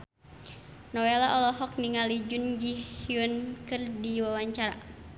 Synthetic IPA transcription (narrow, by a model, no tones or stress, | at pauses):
nɔwɛlaʔɔlɔɦɔk̚niŋalid͡ʒund͡ʒihiunkɨrdiwawaɲt͡ʃaɾa̰